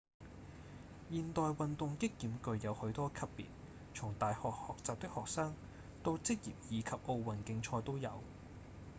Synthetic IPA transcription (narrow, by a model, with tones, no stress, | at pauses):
jiː˨nt̪ɔː˨jwɐ˨nt̪ʊ˨ŋkɪ˥kːiː˨˧˥mkɵ˧ɥjɐ˨˧whɵ˨˧˥ɥt̪ɔː˥kʰɐ˥pːḭː˨t̚ | t͡sʰʊ˨˩ŋt̪aː˨jhɔː˨k̚hɔː˨k̚t͡saː˨p̚t̪ɪ˥k̚hɔː˨k̚saː˥ŋ | t̪o˧wt͡sɪ˥k̚jiː˨p̚jiː˨˧kʰɐ˨p̚ʔo˧wwɐ˨˩nkɪ˧ŋt͡ʃʰɔː˧jt̪o˥wjɐ̰˨˧w